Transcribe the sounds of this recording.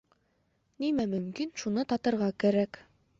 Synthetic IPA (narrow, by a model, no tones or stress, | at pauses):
nimæmɵ̆mkinʃunɤt̪ɑt̪ɤ̆ɾʁɑkæɾæk